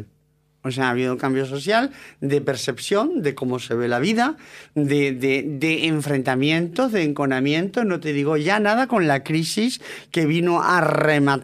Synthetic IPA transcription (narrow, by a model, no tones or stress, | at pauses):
os̬eaaβiðouŋkambjos̬o̞θjald̪e̞pe̞ɾse̞pθjõ̞nd̪e̞ko̞mo̞se̞β̞e̞laβiðad̪eded̪eːɱfɾe̞nt̪amjẽ̞nt̪ozðeːŋko̞namjẽnt̪onot̪eðiɣo̞ʝanaðakõ̞nlakɾisis | ke̞βinoarema